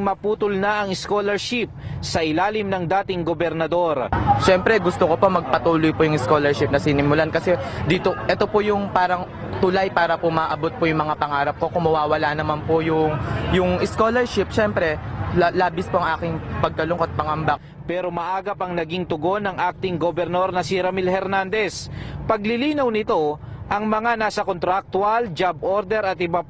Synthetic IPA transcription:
mɐpuːt̪ʊlnɐʔɐŋɪskolɛɹʃip̚sɐʔɪlaːlɪmnɐŋd̪aːt̪ɪŋɡobɛɾnɐd̪o̞ɾʃɛmpɾɛɡʊst̪okopo̞mɐɡ̚pɐt̪uːlojpojʊŋɪskolɛɹʃɪp̚nɐsinɪmʊlankɐsɛd̪iːt̪o̞ʔɛt̪o̞pojʊŋpaːɾɐŋ | t̪ʊlajpaːɾɐpomaʔɐbot̪̚pojʊŋmɐŋapɐŋaːɾɐp̚ko̞kʊmɐwaːwɐlanɐmanpojʊŋjʊŋʔɪskoːlɛɹʃɪp̚ʃɛmpɾɛlaːbɪspoʔɐŋʔaːkɪŋpɐɡ̚kɐlʊŋkot̪̚pɐŋɐmba | pɛːɾo̞mɐʔaːɡɐpɐŋnɐɡiŋt̪ʊɡo̞nːɐŋʔak̚t̪ɪŋɡobɛɾno̞ɾnɐsiɾɐmilhɛɾnand̪ɛspɐɡlɪliːnɐwnɪt̪o̞ʔɐŋmɐŋanaːsɐkont̪ɾak̚t̪wɐld͡ʒab̚ʔoɾd̪ɛɾɐt̪ʔɪba

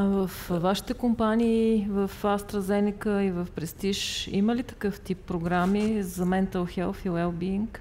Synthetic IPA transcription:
vəfvaʃi̥t̪ɛkompaniːvɐfast̪ɾɐzɛnikəivɐfpɾɛst̪iʃḭməlit̪ɐ̥kɤft̪ipːɾoɡɾamizɐmɛnt̪əlˠxɛlˠfilɛlˠbiiŋk

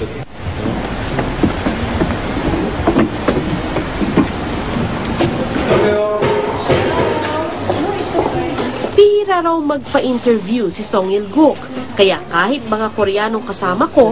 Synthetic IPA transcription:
piːɾɐɾawmɐɡ̚pɐʔint̪ɛɹvjusɪsoŋɛlɡukkɐjakaːhɪt̪̚mɐŋakoɾɛjaːnoŋkɐsaːmɐko̞

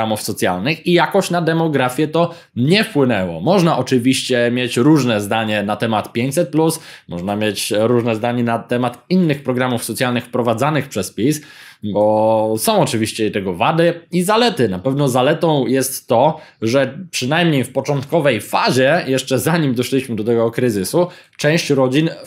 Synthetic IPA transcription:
amufsɔt̪sʲja̰lnɘxijakɔɕt͡ɕnad̪ɛmɔɡɾafʲjɛt̪ɔ | ɲɛfpwɘnɛwɔ̰mɔʐnaʔɔt͡ʂɘvʲiɕt͡ɕɛmʲjet͡ɕɾuʐnɛzd̪aɲɛnat̪ɛmat̪pʲjeɲt͡ɕsɛt̪̚plusmʔɔʐnamʲjet͡ɕɾuʐnɛzd̪aɲɛnat̪ɛmat̪inːɘxpɾɔɡɾamufsɔt̪sʲjalnɘxfpɾɔvad̪zanɘxpʂɛspʲisbɔsɔ̃w̃ɔt͡ʂɘvʲiɕt͡ɕɛit̪ɛɡɔvad̪ɘizalɛt̪ɘnapɛvnɔzalɛt̪ɔ̃w̃jɛst̪ːɔ | ʐɛpʂɘnajmɲejfpɔt͡ʂɔnt̪kɔvɛjfaʑɛjɛʂt͡ʂɛzaɲimd̪ɔʂlʲiɕmɘd̪ɔt̪ɛɡɔkɾɘzɘsut͡ʂɛ̃w̃ɕt͡ɕɾɔd͡ʑin

